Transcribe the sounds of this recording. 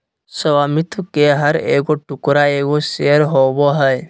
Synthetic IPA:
səʋaːmɪt̪ʰʋkeɦəɾeːɡoʈʊkɾaeːɡoseːɾɦoboɦəj

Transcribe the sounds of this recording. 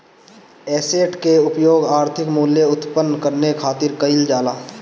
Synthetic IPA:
ɛːseːʈkeʊpjoːɡaːɾt̪ʰɪkmuːljeʊt̪pənːkəɾnekʰaːt̪ɪɾkəɪld͡ʒaːlaː

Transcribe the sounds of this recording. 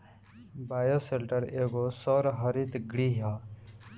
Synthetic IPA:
baːjoselʈəɾeːɡosoɾɦɐɾit̪ɡɽiɦaː

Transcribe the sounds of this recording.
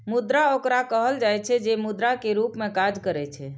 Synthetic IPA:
mud̪ɾaokɾakəɦəld͡ʒajt͡ʃʰɛd͡ʒemud̪ɾakeɾupmekad͡ʒkəɾɛt͡ʃʰɛ

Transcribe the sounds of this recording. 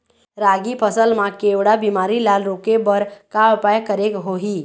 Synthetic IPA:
ɾaɡipʰəsəlmãkeʋɽabimaɾilalɾoːkebəɾkaəpajkəɾekɦoɦiː

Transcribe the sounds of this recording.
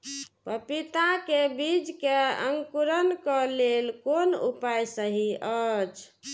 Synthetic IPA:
pəpit̪akebid͡ʒkeə̰ŋɡkuɾənkəlelkonṵpajsəɦiət͡ʃʰ

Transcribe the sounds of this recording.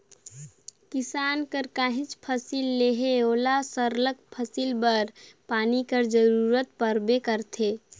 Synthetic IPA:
kɪsaːnkəɾkaːɦit͡ʃpʰəsilːeɦeoːlasəɾlək̚pʰəsilbəɾpaːnikəɾd͡ʒəɾuɾət̪̚pəɾbekəɾt̪ʰe

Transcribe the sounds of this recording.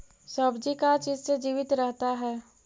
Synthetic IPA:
səbd͡ʒikat͡ʃiːd͡ʒsed͡ʒiːʋɪt̪ɾɛɦt̪aɦɛː

